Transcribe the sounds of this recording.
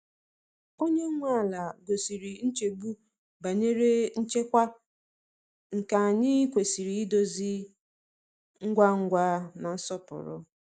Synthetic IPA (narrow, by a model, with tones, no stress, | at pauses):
o˦ɲe˦ŋʷa˦a˨la˨ɡo˨si˨ɾi˨n̩˦t͡ʃe˨bu˦ | ba˨ɲe˦ɾe˦n̩˦t͡ʃe˦kʷa˦ | ŋ̩˨ka˨a˨ɲɪ˦kʷe˨si˨ɾi˨i˦do˦zi˦ | ŋ̩˦ɡʷa˦ŋ̩˦ɡʷa˦na˨n̩˦sɔ˦pʊ̰˨ɾʊ̰˦